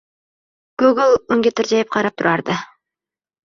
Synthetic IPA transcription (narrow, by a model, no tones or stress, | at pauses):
ɡ̥uɡlˠʊŋɡʲet̪ʰɪɾd͡ʒɑjɪp̚qʰɑɾɑp̚t̪ʰʊɾʔɑɾd̪ɨ